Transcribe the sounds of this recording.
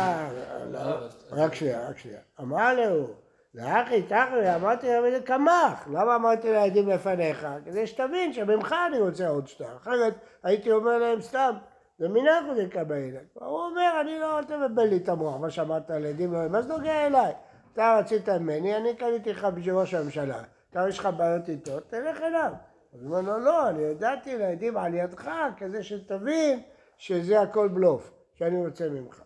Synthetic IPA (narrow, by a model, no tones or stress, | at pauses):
lʁakʃnia̰ʁakʃlḭa̰amaʁleu | leaχit̪aχeamaʁt̪iavezekamaχlamaːmaʁt̪ilead̪imlefane̞χaked̪eʃe̥t̪avinʃemimχaːniʁot͡seod̪ʃt̪aχeʁet̪ait̪io̞meʁlaemst̪am | zeminakozekambaelaa̰uome̞ʁanilootavebenlit̪amoaχmaʃamaʁt̪aled̪imloemazno̞ɡeaelaj | at̪aʁat͡sit̪amimenianikanit̪ilχabeʃ̬eʁoʃamemʃala̰ | t̪aʁiʃχabaːjo̞t̪it̪ot̪ːeleχelav | azmelolo̞aniad̪at̪ilaed̪imʕaljad̪χakaze̞ʃet̪avin | ʃezeako̞lblo̞f | ʃeaniʁot͡semimχḁ̰